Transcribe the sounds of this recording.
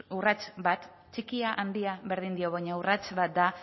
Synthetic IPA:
urat͡ʃbat̪ | t͡ʃikiaʔand̪iaβe̞ɾð̞ind̪io̞βajɲaurat͡ʃβat̪̚d̪a

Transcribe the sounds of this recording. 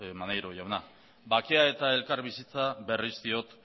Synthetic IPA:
manejɾoʝawna | bakeae̞t̪ae̞lkaɾβisit͡saβe̞rist̪io̞t̪

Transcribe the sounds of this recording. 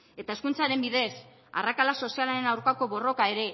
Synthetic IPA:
e̞t̪ae̞skunt͡saɾe̞mbiðe̞s | a̰rakalaso̞sialaɾe̞nawɾkako̞βo̞ro̞kae̞ɾe̞

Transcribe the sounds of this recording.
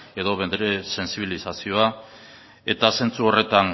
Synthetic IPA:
e̞ðo̞βend̪ɾe̞se̞nsiβ̞ilisasio̞a | e̞t̪ase̞nt͡suo̞re̞t̪an

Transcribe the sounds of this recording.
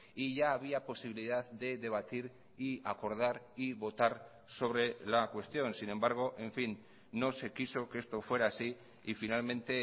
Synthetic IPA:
iʝaːβ̞iapo̞siβiliðaððe̞ðe̞β̞at̪iɾ | iako̞ɾð̞aɾ | iβo̞t̪aɾ | so̞β̞ɾe̞lakwe̞st̪jo̞nsinẽ̞mbaɾɣ̞o̞ʔe̞ɱfinː | o̞se̞kiso̞keest̪o̞fwe̞ɾaːsi | ifinalmẽ̞nt̪e̞

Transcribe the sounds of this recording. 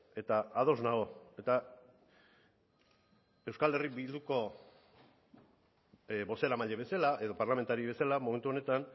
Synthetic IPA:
e̞t̪aaðo̞znaɣoe̞t̪a | e̞wskale̞ribild̪uko̞ | bo̞se̞ɾamaʎeβe̞salaʔe̞ðo̞parlame̞nt̪aɾiβe̞salamoment̪uo̞ne̞t̪an

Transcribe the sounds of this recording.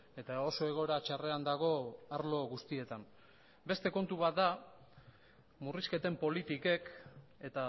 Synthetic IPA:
e̞t̪ao̞so̞e̞ɣo̞eɾat͡ʃare̞and̪aɣ̞o̞aɾlo̞ɣust̪ie̞t̪an | be̞st̪e̞ko̞nt̪uβat̪̚d̪a | muriske̞t̪e̞mpo̞lit̪ike̞ke̞t̪a

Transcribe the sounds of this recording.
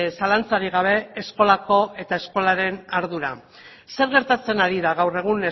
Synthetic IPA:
salant͡saɾiɣ̞aβ̞e̞ːsko̞lako̞e̞t̪ae̞sko̞laɾe̞naɾðuɾa̰ | se̞ɾɣe̞ɾt̪at͡se̞naɾiðaɣ̞awre̞ɣ̞une

